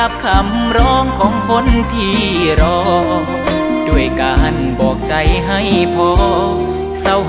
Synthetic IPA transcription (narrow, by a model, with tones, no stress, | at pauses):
a˧p̚kʰa˧˩mɾɔː˧˥ŋkʰɔː˨˦ŋkʰo˧˥˨nt̪ʰiː˧˩ɾɔː˧ | duː˧˩əjkaː˧ha˧˩˨nbɔː˨˩k̚t͡ɕa˨˦jɦa˧˥˩jpʰɔː˧˥ | sa˧˩w